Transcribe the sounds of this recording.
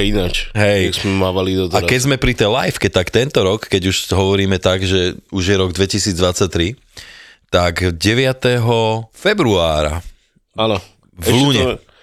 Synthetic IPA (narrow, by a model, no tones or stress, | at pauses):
inat͡ʃɦɛjzmɛmaːʋalid̪ɔt̪aɾakɛɟzmɛpɾit̪ɛjlajfkɛt̪akt̪ɛnt̪ɔɾɔkːɛɟuʃɦɔʋɔɾiːmɛt̪aɡʒɛuʒjɛɾɔɡd̪ʋɛcisiːd͡zd̪ʋat͡sːac̚t̪ɾi | t̪aɡɟɛʋɪat̪ɛɦɔfɛbɾuaːɾa̰ | anɔ | vɛluːɲɛ